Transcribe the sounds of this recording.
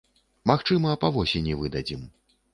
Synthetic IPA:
maxt͡ʂɨmɐpɐvɔsʲenʲivɨd̪ad͡zʲim

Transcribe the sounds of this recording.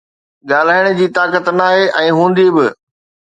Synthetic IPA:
ɠaːl̤aːɪɽ̃ʊ̆d͡ʑiːt̪aːkət̪naːɦeʔɛ̃ːɦũːn̆d̪ibɪ

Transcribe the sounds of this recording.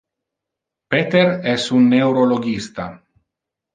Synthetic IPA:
pet̪eɾɛsunːewɾoloɡist̪a̰

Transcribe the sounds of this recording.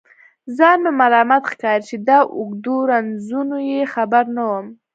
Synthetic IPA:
zɑnemalɑmat̪xkɑɾit͡ʃed̪ɑʔʊɡd̪oɾanzunojexabaɾnawəm

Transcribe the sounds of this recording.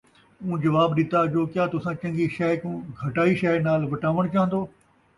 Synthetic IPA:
ũːd͡ʒɐʋaːbɗɪt̪ad͡ʒoːkjaːt̪ʊsãːt͡ʃɐ̃ŋɡiʃɛːkũːɡʱɐʈaːiːʃɛːnaːlʋɐʈaːʋəɽ̃t͡ʃaːɦə̃nd̪oː

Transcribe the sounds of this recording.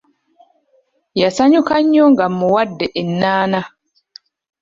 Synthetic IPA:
jasaɲukaɲːɔŋɡamːuwadːɛʔinːaːna

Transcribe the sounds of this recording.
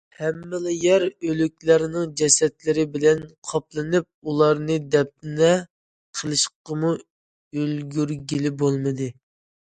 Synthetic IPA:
hɛmːɪlɪjɛɾølykʲlæɾnɨŋd͡ʒɛsɛt̪lɪɾɪbɪlɛnqʰɑp̚lˠɨnɨp̚ulˠɑɾnɨd̪ɛp̚t̪ɪnɛ | qʰəlˠɨʃqɑmu | ølɡʲyɾɡʲilɪbolˠmɨd̪ɨ

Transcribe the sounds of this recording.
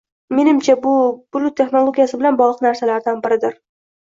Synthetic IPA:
me̞nɪmt͡ʃʰabʊbʊlˠʊt̪ʰːe̞χno̞lˠoɡʲijasɪbɪlanbɒʁlˠɨqnaɾsalaɾd̪anbɪɾɪd̪ɪɾ

